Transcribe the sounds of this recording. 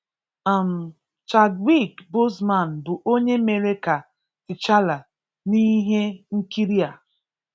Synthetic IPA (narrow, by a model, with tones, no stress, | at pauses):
a˨m̩˨ | t͡ʃa˨dwi˦˨kbo˦sma˨n̩˨bʊ˨ʔo˦ɲe˦me˨ɾe˦ka˨ | ɪ˨t͡ʃa˦la˨ | ni˦ɦe˦ŋ̩˦ki˦ɾi˦a˨